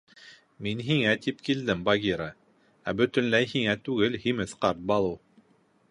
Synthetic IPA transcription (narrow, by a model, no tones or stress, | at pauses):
minɦiŋæt̪ipkild̪ɘmbɑɡʲiɾə | æbɵ̆t̪ɵ̆nlæjhiŋæt̪ʉɡɘlhimɘθqɑɾt̪̚bɑlˠɤ